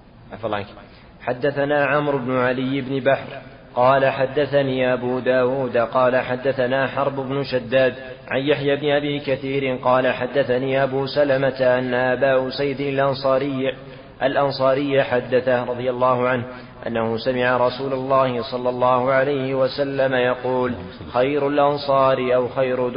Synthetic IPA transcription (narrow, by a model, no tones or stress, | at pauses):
ʔafɑlˤːʕak | ħad̪ːaθanaːʕamɾʊbnʊʕalɪjːɪbnɪbaħɾ | qɑːlaħad̪ːaθaniːʔabuːd̪aːwuːd̪qɑːlaħad̪ːaθanaːħɑɾˤbʊbnʊʃad̪ːaːd̪ | ʕanjaħjaːbnɪʔabiːkaθiːɾɪnqɑːlaħad̪ːaθaniːʔabuːsalamat̪aʔanːaʔabaːʔʊsajːd̪ɪlʔɑnsˤɑːɾɪ | ʔalʔɑnsˤɑːɾɪjːaħad̪ːaθaɾˤɑðˤɪjalˤːɑːhʊʕanh | ʔa̰nːahʊsamɪʕaɾˤɑsuːlalˤːɑːhɪsˤɑlːɑlˤːɑːhʊʕalajhɪwasalːamajɑquːl | xajɾʊlʔɑnsˤɑːɾiʔawxajɾʊ